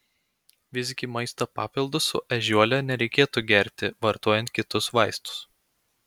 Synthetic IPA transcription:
ʋʲɪsʲkʲiːˑmɐɪst̪opɑ̰ːpʲɪlˠd̪ʊsʊ̰ʔɛʒʲuɔlʲɛnʲɛɾʲɛɪkʲeːt̪uːɡʲɛɾʲt̪ʲɪʋɐɾt̪oɔjɛnt̪̚kʲɪt̪ʊsʋɑˑɪst̪ʊ̥s

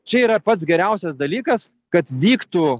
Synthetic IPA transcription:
t͡ʃʲɛiːɾɐpɐt̪sɡʲɛɾʲɛˑʊsʲɛsd̪ɐlʲiːkɐs | kɐt̪ʋʲiːkt̪u

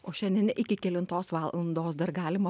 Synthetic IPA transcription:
oːʃʲɛnʲd̪ʲɛnʲɪkʲɪkʲɛlʲɪnt̪oːsʋɑːlˠɐnd̪oːsd̪ɐɾɡɑːlʲɪmɐ

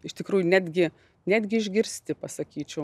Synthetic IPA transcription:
ɪʃt̪ʲɪkɾuːjʊnʲæːd̪ʲɡʲɪ | nʲæːd̪ʲɡʲɪɪʒʲɡʲɪɾʲsʲt̪ʲɪpɐsɐkʲiːt͡ʃʲɛʊ

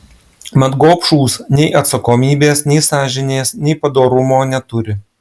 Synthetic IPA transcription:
mʲɐd̪ɡoːpʃuːsnʲɛɪʔɐt̪sɐkoːmʲiːbʲeːsnʲɛɪsɑːʒʲɪnʲeːsnʲɛɪpɐd̪oːɾʊmoːnʲɛt̪ʊɾʲɪ

